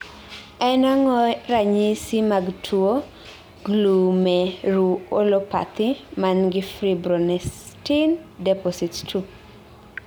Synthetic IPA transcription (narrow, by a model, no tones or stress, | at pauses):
ɛnaŋɔɾaɲisimaɡtʰuo | ɡlumɛɾuolopa̰t̪ɪmanɡɪfɾibɾɔnɛs | tindɛpɔsittʰu